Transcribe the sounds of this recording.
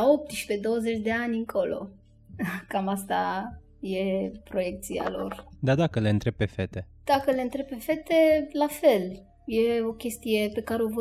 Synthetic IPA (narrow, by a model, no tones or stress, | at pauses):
aop̚t̪ʃped̪o̞wəzet͡ʃd̪e̞anʲɨŋkʰo̞lo̞̰ | kamast̪a | jepɾo̞jek̚t̪sia̰lo̞̰rd̪ad̪akəleɨnt̪ɾeb̚pːefet̪ed̪̥akəleɨnt̪ɾebpe̞fet̪elafel | jeo̞kʲe̞st̪ijepe̞kaɾeovə